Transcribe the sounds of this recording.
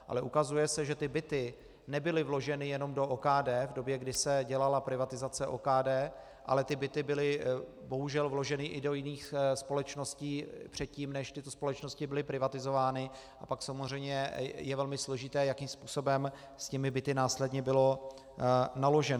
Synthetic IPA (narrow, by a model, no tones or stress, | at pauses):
ʔa̰lɛʔukazujɛsɛʒɛt̪ɪbɪt̪ɪ | nɛbɪlɪvlo̞ʒɛnɪjɛno̞mdo̞ʔoːkaːdɛːvdo̞bjɛɡdɪsɛɟɛlalapɾɪvat̪ɪzat͡sɛʔo̰ːkaːdɛː | ʔa̰lɛt̪ɪbɪt̪ɪbɪlɪ | bo̞ɦuʒɛlvlo̞ʒɛnɪʔɪdo̞jɪniːxspo̞lɛt͡ʃno̞sciːpr̝̥ɛt̪̚ciːmnɛʃt̪ɪt̪o̞spo̞lɛt͡ʃno̞scɪbɪlɪpɾɪvat̪ɪzo̞vaːnɪ | ʔapaksamozr̝ɛjmɲɛjɛvɛlmɪslo̞ʒɪt̪ɛːjakiːmspuːso̞bɛm | scɛmɪbɪt̪ɪnaːslɛdɲɛbɪlo̞ | nalo̞ʒɛn